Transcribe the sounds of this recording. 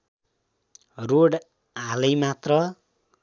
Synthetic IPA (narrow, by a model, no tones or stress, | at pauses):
roɽ | alʌjmat̪rʌ